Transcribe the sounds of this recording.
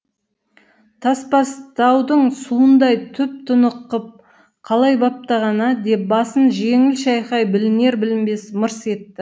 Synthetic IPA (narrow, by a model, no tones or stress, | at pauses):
t̪ʰɑspɑst̪ɑwd̪əɴsuənd̪ɑjt̪ʰʏp̚t̪ʰʊnəqːəp̚ | qʰɑlˠɑjbɑp̚t̪ɑʁɑnɑd̪e̞p̚bɑsənʒe̞ŋɪlʃɑjχɑjbɪlɪne̞ɾbɪlɪmbe̞sməɾse̞t̪ːɪ